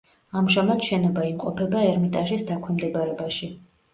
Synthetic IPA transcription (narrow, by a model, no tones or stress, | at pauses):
amʒamad̪ʃɛnɔbaimqʼɔpʰɛbaɛɾmit̪ʼaʒisd̪akʰwɛmd̪ɛbaɾɛbaʃi